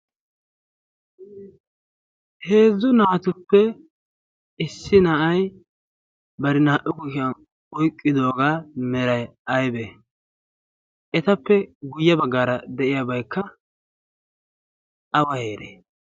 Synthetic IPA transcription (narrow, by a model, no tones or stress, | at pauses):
he̞ːzːʊnaːt̪ʊpːɛ | ɪsːɪnɐʔɐj | bɐɾɪnaːʔʊkʊʃɪɐn | ɔjkʼːɪd̪o̞ːɡaːmɛɾɐjɐjbe | ʔɛt̪ɐpːɛɡʊjːɐbɐɡːaːɾɐd̪ɛʔɪjabɐjkːɐ | ɐwɐhe̞ːɾḛ